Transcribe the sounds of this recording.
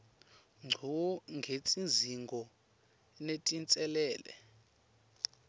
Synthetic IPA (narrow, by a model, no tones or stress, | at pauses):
ŋ͡ǀʱɔŋɡʱet͡sʼinziŋɡʱɔ | netʼint͡sʼɛlɛːlɛ̰